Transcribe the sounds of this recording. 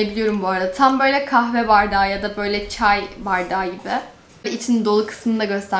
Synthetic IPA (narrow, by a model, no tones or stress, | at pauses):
ebilʲijo̞ɾumbuaɾad̪at̪ʰambø̞jlʲɛkʰahvɛvaɾd̪aːjad̪abø̞jlʲɛt͡ʃʰajvaɾd̪aːɟibɪ | iit͡ʃʰinind̪o̞lˠukʰɯ̥smɯnd̪aɟø̞st̪ʰæ